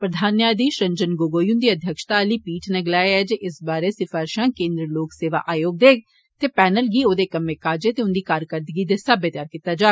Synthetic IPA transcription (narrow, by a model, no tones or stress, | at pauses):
pɾəd̪ʱaːnjaːd̪iːʃɾəɲd͡ʒənɡoːɡoːjũːnd̪iːəd̪ʱjəkʃt̪aːliːpiːʈneːɡɪlaːeɛːd͡ʒeːʔɪsbaːɾeːsɪfaːɾʃãːkẽːnd̪ɾəloːkseːʋa̰ːʔaːjoːɡ̚d̪eː | t̪eːpɛːnəlɡiːoːd̪eːkəmːẽːkaːd͡ʒeːt̪eːʊnd̪iːkaːɾkəɾd̪ɪɡiːd̪eːsaːbət̪jaːɾkiːt̪ːaːd͡ʒaː